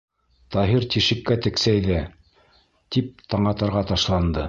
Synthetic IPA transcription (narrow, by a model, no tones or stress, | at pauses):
t̪ɑɦiɾt̪iʃɘ̆kːæt̪ɘ̆ksæjðæ | t̪ip̚t̪ɑɴɑt̪ɑɾʁɑt̪ɑʃlˠɑnd̪ɤ